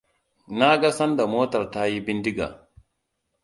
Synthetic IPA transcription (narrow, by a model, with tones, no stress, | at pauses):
na˦ɡa˦sɐ˦nda˨moː˦tɐ˨ɾta˦ji˦bi˦ndi˦ɡa̰˨